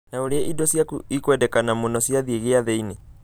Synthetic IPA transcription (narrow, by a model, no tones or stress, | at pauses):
naoɾeɛʔidɔsjaikwɛdɛkanamunɔsiaðieɣeaðɛine